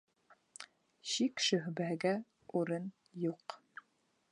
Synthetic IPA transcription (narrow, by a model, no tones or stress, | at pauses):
ɕikʃɵ̆ɦbæɡæ | uɾɤn | juq